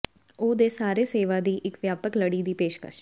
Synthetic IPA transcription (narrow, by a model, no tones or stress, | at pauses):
oːd̪eːsaːɾeːseːʋaːd̪iːʔɪkʋjaːpəkləɽiːd̪iːpeːʃkə̰ʃ